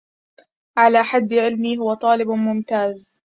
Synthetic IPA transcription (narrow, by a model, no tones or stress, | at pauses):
ʕalaːħad̪ːʕɪlmiːɦʊwat̪ˤɑːlɪbmʊmt̪aːz